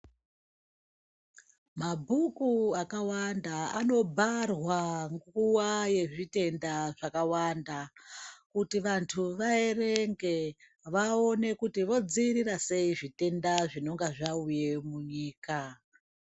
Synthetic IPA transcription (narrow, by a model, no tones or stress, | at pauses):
mabʱukuakawandaano̞bʱarwaŋɡuwaje̞ʐite̞ndaʐakawandakutiʋantʰuʋaere̞ŋɡe̞ | ʋao̞ne̞kutiʋo̞d͡ziɾirase̞iʐite̞ndaʐino̞ŋɡaʐauje̞muɲiːka